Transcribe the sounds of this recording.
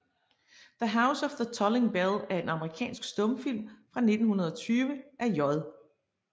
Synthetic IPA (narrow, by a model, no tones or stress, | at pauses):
ðəɦäʊsɒ̽fðət͡sʰɒleŋb̥elˠæɐe̝nɑ̈məʁikʰɛ̰ːnsɡ̥sd̥ɔ̽mfil̰mfʁɑ̈ne̝d̥n̩hunɐð̞ˠɒ̽t͡sʰyːʋəʔæɐjɒðˠ